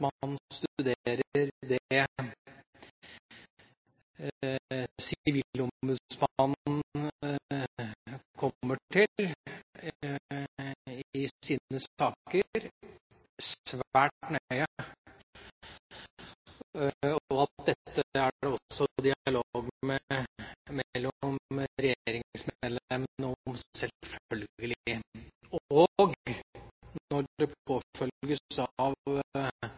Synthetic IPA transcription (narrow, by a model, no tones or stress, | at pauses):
mɑnst̪ʉd̪eːɾəɾd̪ɛ | sɪʋilʊmʉsmɑn | kʰɔːəʈʰɪl | ɪsiːnəsɑːkəɾ | sʋæːʈnœʏə | ɔɑt̪̚d̪ɛt̪ːəæɖɛɔsːɔd̪ɪɑloɡmɛ | mɛlːɔmɾɛjeɾɪŋsmed̪lɛmənɔmsɛlfœlɡɡəlɪ | ɔɡ | nɔɖɛpʰoːfœlɡəsɑʋ